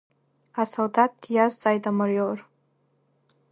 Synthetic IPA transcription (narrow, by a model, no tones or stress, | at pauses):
asald̪at̚jazzajtamaɾjor